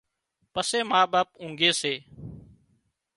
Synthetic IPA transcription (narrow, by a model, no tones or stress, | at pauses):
pəseːmaːɓaːp̚ũːŋɡeːseː